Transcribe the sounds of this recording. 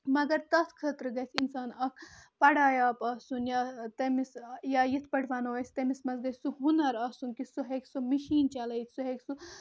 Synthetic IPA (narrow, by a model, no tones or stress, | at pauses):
mɐɡɐɾt̪ɐt̪ʰkʰət̪ɾɡɐt̪ʰinsaːnɐkʰpɐɽaːjaːpɐsunjat̪ɐmisjajit̪ʰpɐɽʰʋaːnoʋɐsʰʲt̪ɐmismɐsɡɐsʲsuɦunɐɾɐsunkisuɦeksumiʃiːnt͡ʃɐlɐjt̪ʰsuɦeksu